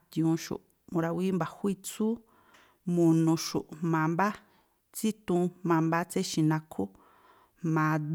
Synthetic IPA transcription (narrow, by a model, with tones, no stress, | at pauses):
t̪ĩ˧ũ˧ʃṵ˨ʔ | mũ˧ɾa˧wi˦mba˨hʷi˦˧t͡su˦ | mũ˧nũ˧ʃṵ˨ʔmã˨mba˦ | t͡si˦t̪ũ˧mã˧mba˦t͡se˦ʃĩ˧nã˧kʰu˦ | mã˨d̪